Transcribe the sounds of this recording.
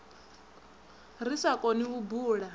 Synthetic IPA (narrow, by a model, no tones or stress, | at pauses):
risakʼoniubuːɺa